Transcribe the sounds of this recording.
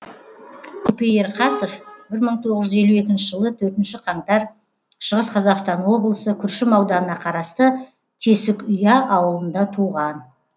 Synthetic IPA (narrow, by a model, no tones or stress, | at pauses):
kʰupejeɾqʰɑsofbɪɾməɴt̪ʰo̞ʁəʒʏze̞lue̞kʲɪnʃɪʒəlˠət̪ʰɵɾt̪ɪnʃɪqʰɑɴt̪ɑɾ | ʃəʁəsqʰɑzɑqst̪ɑnwo̞blˠəsəkʲʰʏɾʃɪmɑwd̪ɑənɑqʰɑɾɑst̪ə | t̪ʰe̞sɪkʏjɑʔɑwəlˠənd̪ɑt̪ʰuʁɑn